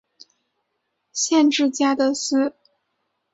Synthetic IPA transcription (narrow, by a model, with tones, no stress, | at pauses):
ɕjɛ˥˧nʈ͡ʂɻ̩˥˩t͡ɕja˥d̪ə˨sɹ̩˥˩